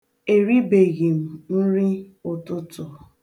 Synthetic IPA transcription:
e˨ɾi˦be˨ɣi˨m̩˨n̩˦ɾi˦ | ʊ˦tʊ˦tʊ˨

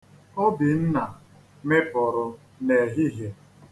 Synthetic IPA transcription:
ɔ˦bi˨n̩˦na˨ | me˦pʊ˨ɾʊ˨ | ne˨ɦi˦ɦe˨

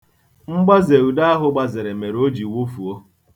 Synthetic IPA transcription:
ŋ͡m̩˦ɡ͡ba˦ze˨u˨da˦a˦ɦʊ˦ɡ͡ba˨zɪ˨ɾɪ˨me˨ɾo˦d͡ʒi˨wu˦fu˨o˦

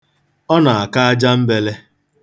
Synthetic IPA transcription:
ɔ˦na˨a˨ka˦a˦d͡ʒa˦m̩˦be˦le˦

